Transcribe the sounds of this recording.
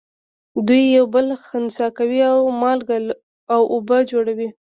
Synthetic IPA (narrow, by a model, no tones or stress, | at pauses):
d̪ujːawbəlxənsɑkawiawmɑlɡal | awʔobəd͡ʒoɽawi